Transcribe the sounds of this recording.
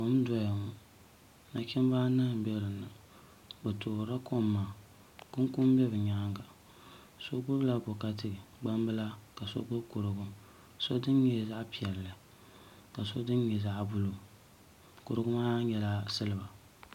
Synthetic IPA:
ko˦m˦dɔ˦ja˨ŋu˨˦ | na˦t͡ʃʲɛ˦m˦ba˦nɨ˦˨m̩˨bɛ˦ɾɨ˨nːɨ˨ | bɛ˨toː˨ɾa˦kʰo˦mːaː˨ | kʊ˦ŋ˦kʊ˦m˦bɛ˦bɨ˨ɲa˦ŋɡa˨ | so˦ɡ͡bʊ˦bla˦bo˨ka˦tɨ˨ɡ͡ba˦m˦bɨ˦la˦ka˨so̰˦ɡ͡bʊ˦bkʊ˨ɾɨ˨ɡʊ˦m | so˦dɨ˦n˦ɲɛ˦za˦ʔpi˨ɛ˨lːɨ˨ | ka˨so˦dɨ˦n˦ɲɛ˨za˦ʔbʊ˦lo˨ | kʊ˨ɾɨ˦ɡʊ˦maː˦ɲɛ˦la˦sɨ˦lɨ˨ba˨

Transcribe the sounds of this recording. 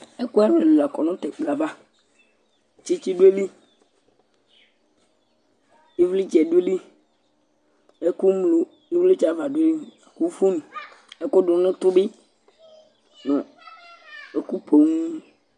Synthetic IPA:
e˦ku˦ɛ˦wle˨lu˨a˨kɔ˨nɔ̃˦t̪ɛ˨k͡pla˨va˦˨ | t͡ʃi˦t͡ʃi˦ɖu˦e˦li˦ | i˦vli˦d͡ʒɛ˨du˦e˦li˦ | e˦ku˦mlo˨ | i˦vli˦d͡ʒa˨˦va˨dwe˦li˦˨ | ku˦fu˦nũ˨ | e˦kʊ˦ɖʊ˨nɪ̃˦t̪ʊ˦be˦ | nɔ̃˨ | e˦ku˦pʰo˨ŋ˦

